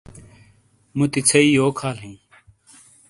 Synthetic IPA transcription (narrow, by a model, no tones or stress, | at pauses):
mũt̪it͡sʰɐiːjoːkʰaːlɦĩː